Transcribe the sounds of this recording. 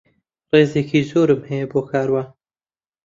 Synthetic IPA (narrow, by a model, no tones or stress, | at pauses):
reːzeːkʰiːzoːɾɨmhɛjɛboːkʰaːɾwaː